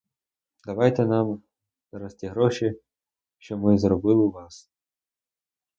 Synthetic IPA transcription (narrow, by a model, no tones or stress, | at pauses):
d̪ɐʋɑjt̪ɛnɑm | z̥ɾɔst̪ʲiɦɾɔʃi | ʃt͡ʃɔmɪzrɔbɪlˠɪʋɑs